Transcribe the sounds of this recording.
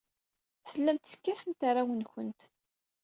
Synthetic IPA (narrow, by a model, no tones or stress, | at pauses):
θəlːæmt̪θə̥kːæθənt̪arˤːawənçənt̪